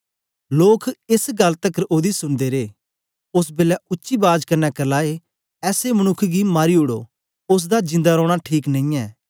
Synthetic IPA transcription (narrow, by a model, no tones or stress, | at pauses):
loːkʰɪsɡɐlt̪əkɾoːd̪isʊnd̪eɾeː | ʊs̬beːlɛʊtːʃibaːd͡ʒkɐɾnɛkɐlaːe | ɛːseməñʊkʰːɡimaːɾiʊɽo̰ː | ʊs̬d̪ad͡ʒɪ̃nd̪aɾɔ̃ːɽ̃aʈʰiːknɐ̃ĩːɛː